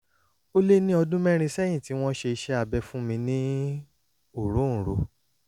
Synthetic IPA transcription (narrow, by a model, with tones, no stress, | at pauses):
o˦le˦nĩ˦ɔ˧dũ˦mɛ̃˦ɾ̃ĩ˧sɛ˦j̃ĩ˦˨ti˦w̃ɔ̃˦ʃe˧i˧ʃɛ˧˦a˨bɛ˧fũ˦mĩ˧nĩ˦ | o˦˨ɾũ˨˦˨ɾo˧